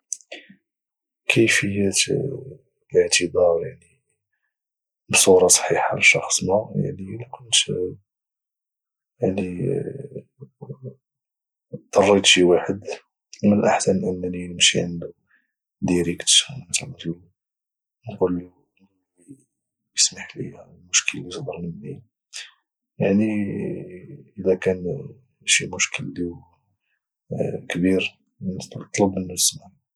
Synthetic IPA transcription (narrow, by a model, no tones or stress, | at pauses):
kʰəjfəjːæt̪ | ləʕt̪əbɑɾˤjaʕni | bsˤuɾˤɑsˤħiħaa̰lʃɑxsˤmaja̰ʕnilækʰʊnt̪ | jaʕni | t̪ːɑrˤːit̪ʃiwaħəd̪ | mənʔaħsænʔənːæninəmʃḭʕənd̪u | d̪iɾikt̪ʃmæt̪lnt̪i | nqulːi | i | bjəsmaħlḭlmʊʃkəlːid̪əɾˤnimni | jaʕni | ʔəd̪ækæn | ʃimʊʃkəld̪iw | kbiɾ | nt̪ˤːləbənːujəsmaʕ